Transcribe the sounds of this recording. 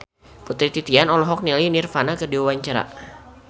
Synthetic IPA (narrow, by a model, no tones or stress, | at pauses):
put̪ɾit̪it̪ianɔlɔɦɔk̚nilinirfanakədiwawaɲt͡ʃaɾa̰